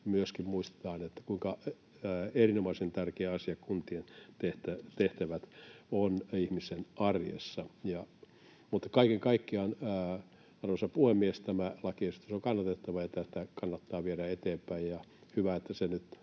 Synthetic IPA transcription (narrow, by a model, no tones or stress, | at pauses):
myøskimmuist̪e̥t̪ɑːnet̪ːæ̥kuiŋkɑ | erinomɑisent̪ærkeːɑsiɑkunt̪ient̪eht̪æt̪eht̪æʋæt̪onihmisenɑrjḛsːɑjɑ | mut̪ːɑ̥kɑikeŋkɑikːiɑnː | ɑrʋɑsɑpuhemːiest̪æmælɑkieset̪ːæseoŋkɑnːɑt̪et̪ːɑʋɑjɑt̪ːæt̪ːækɑnːɑt̪ːɑːʋieɾæet̪eːmpæijjɑhyʋæet̪ːæsenyt̪